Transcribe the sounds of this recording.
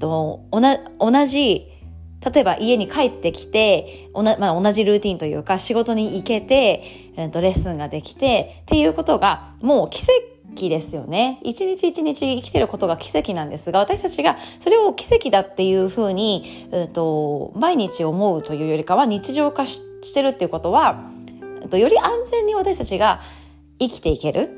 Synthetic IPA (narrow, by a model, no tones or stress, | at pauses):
onao̞naʑi | t̪at̪o̞e̞baʔie̞ɲ̟ikaet̪ːe̞kʲi̥t̪e̞ | onamad̪ao̞naʑiɾɯ̟ːt̪ʲĩnt̪ojɯ̟̰ːkaɕiɡo̞t̪o̞ɲ̟iːke̞t̪e̞ | ɯ̟̃nt̪o̞ɾe̞sɨ̃ŋɡad̪e̞kʲi̥t̪e̞t̪ːe̞jɯ̟ːko̞t̪o̞ɡa | mo̞ːkʲi̥se̞ | kʲid̪e̞sɨjo̞̰ne̞it͡ɕiɲ̟it͡ɕiːt͡ɕiɲ̟it͡ɕiːkʲi̥t̪e̞ɾɯ̟ko̞t̪o̞ɡakʲi̥se̞kʲinãnd̪e̞sɨɡaβ̞at̪aɕi̥t̪at͡ɕiɡaso̞ɾe̞o̞kʲi̥se̞kʲid̪at̪ːe̞jɯ̟ːɸɯ̟ːɲ̟i | ɯ̟̃t̪o̞maiɲ̟it͡ɕio̞mo̞ɯ̟t̪o̞jɯ̟ːjo̞ɾʲikaβ̞aɲ̟it͡ɕiʑo̞ːkaɕ | ɕi̥t̪e̞ɾɯ̟t̪ːeiɯ̟ko̞t̪o̞βa | ɯ̰t̪o̞jo̞ɾʲiʔãnd͡zẽ̞ɲ̟ːiβat̪aɕi̥t̪at͡ɕiɡa | ikʲi̥t̪e̞ike̞ɾʔɯ̟